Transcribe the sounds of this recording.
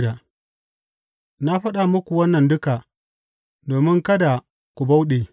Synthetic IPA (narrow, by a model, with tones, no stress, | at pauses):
ɾa˨ | na˦ɸɐ˦ɗa˨mʊ˦kʷu˨wɐ˦nːɐ˨ndʊ˦ka˨ | doː˨mɪ˦ŋkɐ˦da˨ | kʷu˨ba˦wɗeː˨